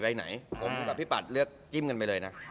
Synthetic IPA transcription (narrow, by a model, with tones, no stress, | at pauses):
ba˧jna̰˩˦jpʰo˨˦m˧ka˧˩pʰi˦˥pa˨˩t̪̚lɯ˥˩ək̚t͡ɕi˥˩mka˧npa˧jlɤː˧jna˦˥